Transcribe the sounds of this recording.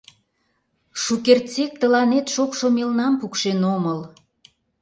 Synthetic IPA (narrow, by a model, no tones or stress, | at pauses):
ʃukert͡sek̚t̪əlɑnet̪ʃokʃomelnɑmpukʃenoməl